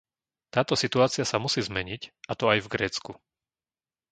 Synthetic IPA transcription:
t̪aːt̪ɔsit̪uaːt͡sɪasamusiːzmɛɲicat̪ɔajvɡɾɛːt͡sku

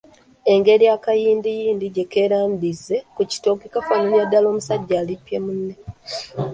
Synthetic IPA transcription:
e̞ŋɡe̞ɾjakajiːndijiːndiɟe̞ke̞ɾaːmbizːe̞kuci̥toːkikafanoljadːalo̞ːmusaɟːaːlipjemunːe

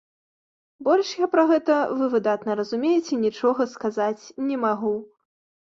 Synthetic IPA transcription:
bɔlʲʂjapɾɐɣɛt̪ɐvɨvɨd̪at̪nɐɾɐzumʲejɛt͡sʲɛnʲit͡ʂɔɣɐskazat͡sʲnʲɛmaɣu

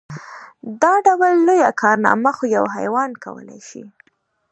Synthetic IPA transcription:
d̪ɑɖawəlːojakʰɑɾnɑ̰maxojawɦa̰jwɑnka̰wə̰lajʃḭ

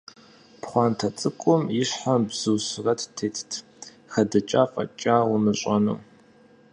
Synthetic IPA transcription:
pχʷɑːntʰɐt͡sʼɨkʷʼʊmjɪɕħabz̥ɨwɕrɐtʰtʰeːtʰtʰ | xɐdɐt͡ʃʼaːfʼɐ̰t͡ʃʼaːwʊmɨɕʼɐnṵː

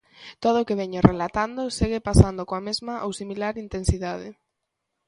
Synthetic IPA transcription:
t̪oð̞ʊːkeβɛɲorʔelat̪and̪oseɣɪpasand̪okoamezmɐʔowsimilaɾint̪ensiðaðɪ

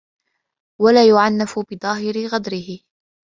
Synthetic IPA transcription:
walaːjʊʕanːafʊbɪd̪ˤɑːɦɪɾɪɣad̪ɾɪhɪ

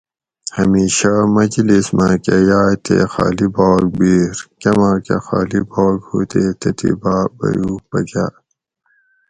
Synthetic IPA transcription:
hɐmiːɕamɐd͡ʑlismãkejaːt̪ʰḛxa̰ːlibaːɡ̚biːɾkɐmãːkexaːlibaːɡhuːt̪et̪et̪ʰḭbaːbɐ̰juːbɐɡaː

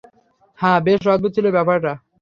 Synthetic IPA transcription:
hãbeʃɾɔd̪̚bud̪̚t͡ɕʰilobɛpaɾʈa

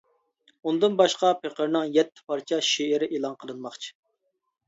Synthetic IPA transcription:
und̪ɨnbɑʃqɑpʰeqʰəɾnɨŋjɛt̪ʰːɪ̥pʰɑɾt͡ʃʰɑʃeɪɾɪʔelˠɑnqʰəlˠɨnmɑχt͡ʃʰi̥

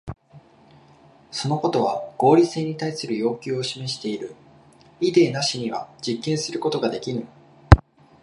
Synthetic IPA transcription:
so̞no̞ko̞t̪o̞βaɡ̥o̞ːɾʲise̞ːɲ̟it̪aisɨɾɯ̟jo̞ːkʲɨːo̞ɕime̞ɕi̥t̪e̞iɾɯ̟ | id̪e̞ːnaɕiɲ̟iβad͡ʑikːẽɰ̃sɨɾɯ̟ko̞t̪o̞ɡad̪e̞kʲiɾɯ̃

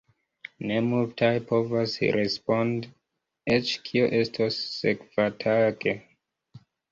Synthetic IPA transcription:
ne̞multʰajpʰo̞vasɾespo̞nd | et͡ʃkʰioʔe̞stʰosːekv̥atʰaɡe

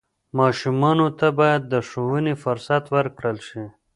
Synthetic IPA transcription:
mɑʃumɑnot̪abɑjad̪ːəʂowənifʊɾsat̪wəɾkɽəlʃi

